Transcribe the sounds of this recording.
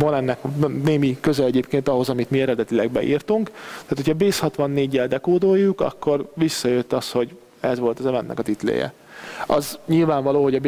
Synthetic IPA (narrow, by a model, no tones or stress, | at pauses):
vɒnɛnːɛkneːmikøzɛlɛɟeːpkeːnt̪ɒɦo̞zɒmit̪miɛɾɛd̪ɛt̪ilɛɡbɛ̰ʔḭːrt̪uŋktt̪æaːt̪ʰocʰɒbeːshɒt̪ʋɒnːeːɟːɛld̪ɛkoːd̪oːjːukɒ̰kːo̞rʋisːɒjøt̪ːɒst̪ho̞ɟ | ɛzʋo̞lt̪ɒzɛvɛnːʔɛ̰kɒt̪it̪lḛːjɛ̰ | ɒzɲilvaːɱvɒloːɦoɟɒb